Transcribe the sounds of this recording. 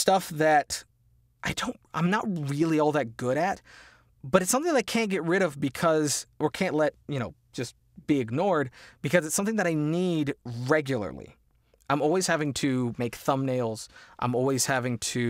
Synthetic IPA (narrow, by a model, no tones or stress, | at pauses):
stʌfðɨɾ | ʔaɪdõʊ̃ntʔã̰ɪ̃mnət̚ɹɪlˠiɔlˠðɨt̚ɡ̥ʊɾɨt̚ | b̥ʌɾɨtsʌ̃mθɪ̃ŋðɨaɪkʰæ̃nɡ̥ɛt̚ɹɪɾʌvbɨkʰʌzʔə˞kʰæ̃nʔlɛt̚jɨñoʊ̥d͡ʒ̥ʌs | b̥iɨɡ̚nɔɹd̚b̥ɨkʰʌzɨtsʌ̃mθɪ̃ŋðɨɾaɪnidɹɛɡjl̩ˠə̰˞lˠḭ | ʔãɪ̃mɔlˠwiz̥hævɪ̃ŋtʰɨmeɪkθʌ̃mneɪlˠz̥ʔã̰ɪ̃mɔlˠwiz̥hævɪ̃ŋtʰɨ